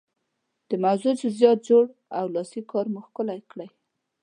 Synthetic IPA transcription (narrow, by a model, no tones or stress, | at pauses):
d̪̥əmawzud͡ʒɪzjɑt̪̚d͡ʒoɽawlɑsikɑɾmʊxkəlajkɽaj